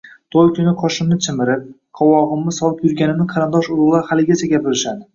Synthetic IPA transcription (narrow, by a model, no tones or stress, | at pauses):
t̪ʰojkʲʰʊnɪqʰɒʃɪmnɪt͡ʃʰɪmɪɾɪp̚ | qʰɒwɒʁɨmːɪsɒlˠɪpjʊɾɡʲanɪmnɪqʰɑɾɪnd̪ɒʃʊɾʊʁlˠaɾhalɪɡʲat͡ʃʰaɡʲapɪɾɪʃad̪ɪ